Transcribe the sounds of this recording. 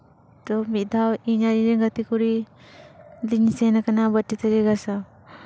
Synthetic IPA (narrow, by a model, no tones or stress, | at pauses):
t̪ɔmit̪̚d̪ʱawiɲaɾiɾeŋɡət̪ikuɾi | liɲisenakanabəʈːit̪əɾiɡasaw